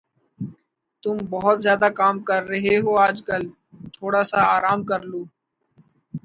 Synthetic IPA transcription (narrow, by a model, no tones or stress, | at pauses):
t̪ʊmbəɦʊt̪zjaːd̪aːkaːmkəɾːəɦeɦoːaːd͡ʒkəl | t̪ʰoːɽaːsaaːɾaːmkəɾloː